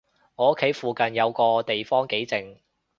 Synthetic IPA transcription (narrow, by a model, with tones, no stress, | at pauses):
ŋɔː˨˥kʰe˨˥jfuː˨kɐ˨njɐ˨˧wkɔː˧t̪e˨jfɔː˥ŋke˨˥jt͡sɪ˨ŋ